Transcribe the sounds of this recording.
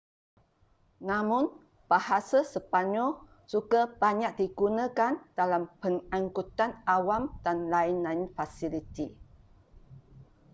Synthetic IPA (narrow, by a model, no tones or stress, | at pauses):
nãmʊ̃n | b̥ahasasəpaɲɔ | sukab̥aɲaʔ̚diɡunə̃kand̥alampəŋaŋkut̪anawamd̥anlaɪnlainfasilit̪i